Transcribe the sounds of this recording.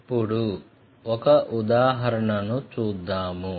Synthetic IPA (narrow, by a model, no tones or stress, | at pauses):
pːuɽu | ɔkɐʔud̪aːɦɐɾɐɳɐnut͡ʃuːd̪ːaːmu